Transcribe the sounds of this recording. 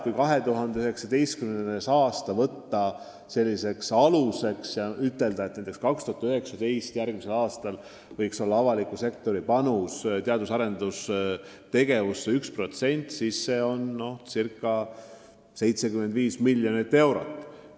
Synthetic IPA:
kujkɑɦe̞t̪uɦɑnd̪eøhe̞ksɑd̪e̞jst̪kymnenesɑːst̪ɑvɤt̪ːɑ | se̞lʲːise̞ksɑluse̞ksjɑyt̪ːˑe̞ld̪ɑet̪næjt̪ekskɑkst̪uhɑt̪øhe̞ksɑd̪e̞jst̪jærɡmise̞lɑːst̪ɑl | vɤjkso̞lːɑɑvɑlikːˑuse̞k̚t̪o̞ɾipɑnust̪eɑd̪usɑɾe̞nd̪̥us | t̪e̞ɡ̥e̞vusːeykspro̞t̪se̞nʲt̪sisːe̞o̞nːo̞hsirkːˑɑ | se̞jt̪se̞kymːend̪viːsmilʲːjo̞nit̪ːe̞wɾo̞̰t̪ːˑ

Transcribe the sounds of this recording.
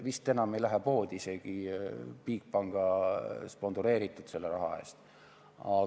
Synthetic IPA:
ʋist̪ːenɑmejlæɦepo̞ːd̪ise̞ɡ̥ipiːk̚pɑŋɡ̥ɑspo̞nsuɾe̞ːɾit̪ːˑud̪̥se̞lːeɾɑɦɑ̰ḛːst̪ | ɑ

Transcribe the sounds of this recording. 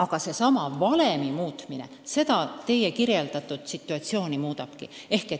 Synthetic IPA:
ɑɡ̥ɑse̞sɑmɑvɑle̞mimuːt̪mine̞̰ | se̞d̪ɑt̪e̞jekirje̞ld̪̥ɑt̪ːˑut̪sit̪ːˑuɑt̪sio̞ːnimuːd̪ɑb̥kḭe̞hke̞

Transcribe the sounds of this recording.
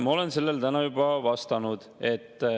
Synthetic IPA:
mɑo̞le̞nse̞lːelt̪ænɑjubɑvɑst̪ɑnud̪̥e̞t̪ː

